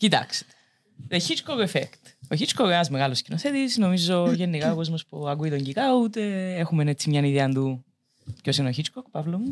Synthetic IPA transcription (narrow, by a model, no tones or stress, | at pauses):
cit̪ɐ̰kse̥t̪e̥ | ðeçit͡ʃkokefekt̪oçit͡ʃkokenɐzmeɣɐloscinoθet̪isno̞mizoʝe̞nːikɐoko̞zmospuɐkuit̪o̞ɲɟikɐut̪e̞exumenet͡sːimɲɐniðiɐnd̪u | cosinoçit͡ʃkokpɐvlomu